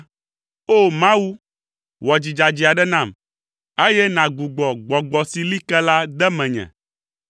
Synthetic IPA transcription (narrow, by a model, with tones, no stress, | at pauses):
o˦mã˦wu˦ | wɔ˨d͡ʑi˨d͡ʒa˨d͡ʑi˨a˨ɖɛ˦nã˦˨m | e˦jɛ˦nã˨ɡ͡bu˨ɡ͡bɔ˨ɡ͡bɔ˨ɡ͡bɔ˨si˨li˦kɛ˦la˦d̪ɛ˦mɛ̃˨ɲɛ̰̃˨